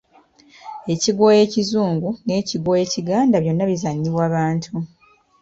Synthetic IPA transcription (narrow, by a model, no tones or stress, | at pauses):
e̞ciɡwo̞ːje̞ːcizuːŋɡune̞ːciɡwo̞ːje̞ːciɡaːndaβjo̞nːaβizaɲːiβwaːβaːntʰu